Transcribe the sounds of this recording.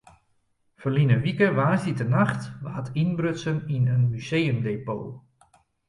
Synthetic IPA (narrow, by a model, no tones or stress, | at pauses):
fərlinəʋikəʋaːzitənaxtʋaːtinbrøtsəninənmyzejəmdeːpo̰ː